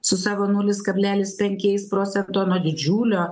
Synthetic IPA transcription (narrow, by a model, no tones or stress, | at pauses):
sʊsɑːʋoːnʊːlʲɪskɐbʲlʲæːlʲɪspʲɛŋʲkʲɛɪspɾoːt̪sʲɛnt̪oːnuɔd̪ʲɪd͡ʒʲuːlʲoː